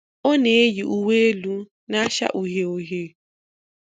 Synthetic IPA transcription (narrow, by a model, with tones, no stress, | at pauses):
o˦ne˨e˦ji˨ʔu˦we˦e˦lu˦ | na˦ʃa̰˦ʔu˨ɦe˨o˨ɦe˦